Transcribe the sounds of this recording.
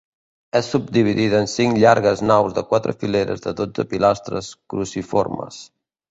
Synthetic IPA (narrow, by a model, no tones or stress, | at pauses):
ɛsːub̚d̪iβ̞iðiðːnsiŋʎaɾɣəznawzðəkwat̪ɾə̰fileɾə̰zðəðod͡zəpilast̪ɾə̰skɾusifo̰rmə̰s